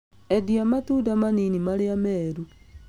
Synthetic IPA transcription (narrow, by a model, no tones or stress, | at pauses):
ɛdiamatuːdamaninimaɾeamɛːɾu